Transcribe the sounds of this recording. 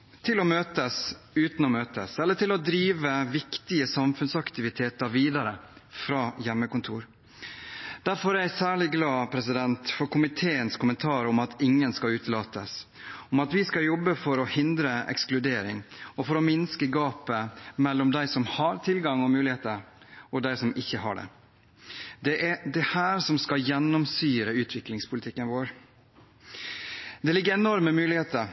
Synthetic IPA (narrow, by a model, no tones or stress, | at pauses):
t̪ʰɪlɔmøːt̪əsʉːt̪nɔmøːt̪əsɛlːəʈɪlɔd̪ɾiːʋəʋɪkt̪ɪəsɑmfʉnsɑkt̪ɪʋɪt̪ʰeːt̪əɾʋiːd̪ɑɾəfɾɑːjɛmːəkʊnt̪ʰuːɾ | d̪̥æɾfɔɾæsæːɭɪɡlɑːpʰɾɛsɪd̪ɛnt̪fɔɾkʰʊmɪt̪ʰeːənskʊmənt̪ʰɑːɾɔmɑt̪ʰɪŋːənskɑlʉːt̪lɑːt̪əs | ɔmɑt̪ʋɪskɑjɔbːəfɔɾɔhɪnd̪ɾəɛ̰ksklʉd̪eːɾɪŋɔfɔɾɔmɪnskəɡɑːpəmɛlːɔmd̪æɪsɔmhɑɾt̪ʰɪlɡɑŋɔmʉːlɪheːt̪əɾ | ɔd̪æɪsɔmɪçːəɦɑ̰ɖɛ̰ | d̪ɛʔɛd̪ɛhæːɾsɔmskɑjɛnːɔmsyːɾəʉːt̪ʰʋɪklɪŋspʰʊlɪt̪ʰɪkːənʋoːɾ | d̪ɛlɪɡːəɾɛnɔɾməmʉːlɪheːt̪əɾ